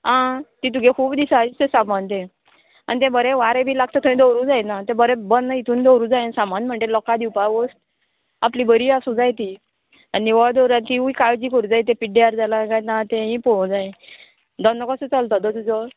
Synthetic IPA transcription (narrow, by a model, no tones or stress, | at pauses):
ɦãt̪it̪̬uɡẽkʰuːbd̪isait̪esamant̪̬ẽ | a̰nit̪ɛ̃bəɾɛ̃ʋaɾebʱiːlaɡ̚t̪ət̪ʰə̃ĩd̪oɾũd͡zajnat̪ɛ̃bəɾɛbənːait̪ʰũːnd̪ɔwɾũd͡zajnsamanm̤əɳʈ̪elɔkad̪iwpaʋəsʈ | a̰plibəɾiasũd͡zajt̪i | anːiʋɔɭd̪ɔɾãnt̪iuikaɭd͡ʑikəɾud͡zajt̪̬ẽpiɖiaɾd͡zalaɡajnat̪ɛ̃ɦĩpɔ̃d͡zaj̃ | d̪ɔnːəkɔsət͡salt̪ɔd̪ɔt̪ud͡zɔ